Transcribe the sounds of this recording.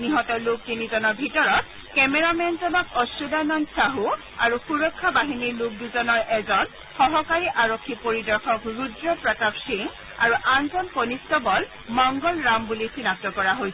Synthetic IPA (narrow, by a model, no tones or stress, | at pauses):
niɦɔtɔlub̚tinizɔnɔɹbʱitɔɹɔt̚ | kɛmɛɹamɛnzɔnɔkɔsudanɔnsaɦu | aɹuxuɹɔkʰːabaɦiniɹluk̚duzɔnɔɹʔɛzɔn | xɔɦɔkaɹiʔaɹokʰːipoɹidɔɹkʰɔkɹudɹɔpɹɔtabsiŋ | aɹuʔanzɔnkonistɔbɔl | mɔŋɡɔlɹambulisinap̚tɔkɔɹaɦojsɛ